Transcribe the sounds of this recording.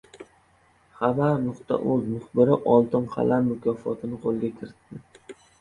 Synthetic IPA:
χabaɾnʊqt̪ʰa̰ʔɵzmʊχbɪɾɪʔɒlˠt̪ʰɪnqʰɑ̰lʔamːʊkʲʰɒfɒt̪ʰɪnɪqʰolˠɡʲakʲʰɪɾɪt̪ːɪ

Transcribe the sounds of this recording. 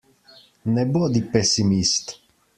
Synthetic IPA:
nɛbod̪ipɛsimist̪

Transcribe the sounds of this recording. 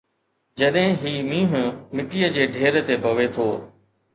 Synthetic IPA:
d͡ʑɐɗɦɪ̃ɦiːmĩːɦʊmɪʈijəd͡ʑeːɖʱeːɾt̪ebʱɐʋet̪ʰoː

